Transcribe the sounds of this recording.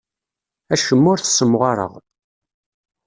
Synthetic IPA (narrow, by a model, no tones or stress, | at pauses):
æʃəmːʊɾθə̥sːəmːʁaɾˤə̰ʁ